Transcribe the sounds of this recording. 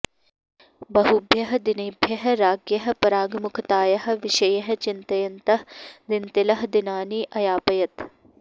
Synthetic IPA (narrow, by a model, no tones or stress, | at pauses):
bɐɦubʱjɐɦɐd̪ɪnɪbʱjɐɦɐɾaːɡjɐɦ̆pɐɾaːɡmʊkʰt̪aːjɐɦɐ̆ʋɪʃɐjɐɦɐ̆t͡ʃɪnt̪ɐjɐnt̪ɐɦd̪ɪnt̪ɪlɐɦd̪ɪnaːniːʔɐjaːpɐjɐt̪